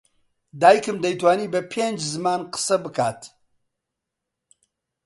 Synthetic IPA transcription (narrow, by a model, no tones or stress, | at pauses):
d̪aːjkɨmd̪ɐjt̪waːniːbɐpʰeːnd͡ʒzɨmaːnqə̥sɐbɨkʰaːt̪